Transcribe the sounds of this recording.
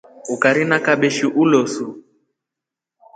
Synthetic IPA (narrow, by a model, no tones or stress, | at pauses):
ukaɾinakaɓɛʃiʔulɔsu